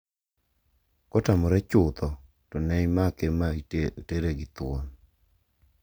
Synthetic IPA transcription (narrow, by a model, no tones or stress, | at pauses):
kɔtamɔɾɛt͡ʃʊt̪ɔ | tɔnɛjmakemateɾeɡɪt̪wɔn